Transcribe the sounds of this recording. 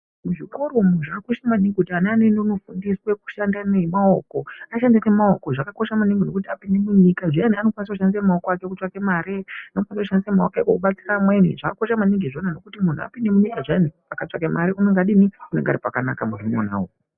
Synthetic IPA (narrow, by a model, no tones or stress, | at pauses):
muʐiko̞ɾomun̤uʐakoʃamaniŋɡekutianaːnendouno̞fundiswe̞ku̥ʃandanemaoko̞aʃandane̞maoko̞ʐakako̞ʃamuniŋɡino̞kutiapinde̞muɲikaʐianiano̞kwanis̬akuʃandisamaokoake̞kut͡ʂakemaɾeanokwanisakuʃandisamaokakokuɓat͡si̥ramwenḭʐakakoʃamaniŋɡiʐo̞nano̞kutimun̤ua̰pindemuɲikaʐiani | akat͡ʂakemaɾiunoŋɡaɗiniuneŋɡa̰ɾipakanakamuʐimona̰ːo